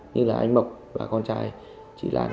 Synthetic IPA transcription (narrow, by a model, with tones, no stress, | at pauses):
ɲɨ˧laː˨˩ʔa˧ŋ̟mə˨˩k͡p̚ | vaː˨˩kɔ˧nt͡ɕaː˧j | t͡ɕḭ˧˩lʔa̰ː˨˩